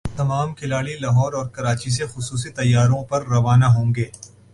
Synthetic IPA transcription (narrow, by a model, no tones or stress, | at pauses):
t̪ɐmaːmkʰɪlaːɽilɐɦɔːɾɔːɾkɐɾaːt͡ʃis̬exʊsuːs̬it̪ɐjːaːɾõpɐɾːɐʋaːnaɦõːŋɡeː